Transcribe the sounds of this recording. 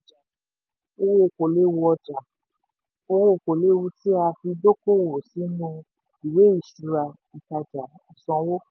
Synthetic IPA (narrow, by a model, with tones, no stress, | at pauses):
o˧wo˦o˨ko˨le˦wu˧ɔ˧d͡ʒa˨ | o˧wo˦o˨ko˨le˦wu˧ti˦a˧fi˧do˦ko˦˨wo˨si˨˦nũ˧ | i˨we˨˦i˦˨ʃu˧ɾa˧ | i˨ka˧d͡ʒa˨ | i˨sɔ̃˧wo˦